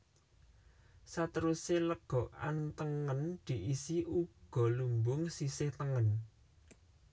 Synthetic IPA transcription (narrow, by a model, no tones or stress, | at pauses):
sat̪əɾuseləɡ̥ɔʔa̰nt̪əŋənd̪̥i̤ʔisiʔuɡ̥ɔ̤lumbʊŋsisɪht̪əŋən